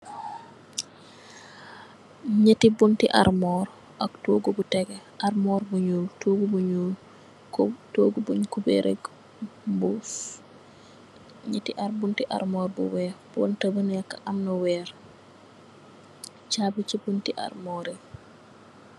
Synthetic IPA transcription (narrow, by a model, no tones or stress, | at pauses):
ɲətibuntiʔa̰ɾmɔːɾ | ʔɐktoɡubutɛɡɛʔaɾmɔːɾbuɲuːltoːɡubuɲuːl | ktoɡubuɲkubḛɾʔḛɡ | buf | ɲətiʔaɾbuntiʔa̰ɾmɔːɾbṵwɛːɾbontɐbənɛkːaʔamnɔwɛːɾ | t͡ʃabit͡ʃibuntiʔa̰ɾmɔːɾe